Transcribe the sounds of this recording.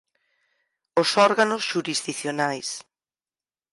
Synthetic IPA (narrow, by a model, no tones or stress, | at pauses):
osɔɾɣanosʃuɾizðiθjonajs